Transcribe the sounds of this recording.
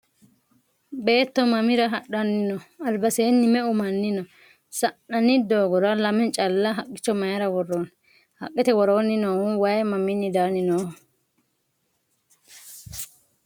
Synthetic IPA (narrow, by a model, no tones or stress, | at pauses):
be̞ːt̪ːɔmɐmɪɾɐɦɐɗːɐnːɪnɔɐlbɐseːnːɪmɛʊmɐnːɪnɔ | sɐʔɐnːɪd̪oːɡɔɾɐlɐmɛnt͡ʃʼɐlːɐɦɐkʼːɪ̥t͡ʃːɔmɐjɐɾɐwɔrːoːn | hɐ̰kʼːɛt̪ɛwɔɾo̞ːnːɪnoːhʊwɐjmɐmɪnːɪd̪aːnɪnoː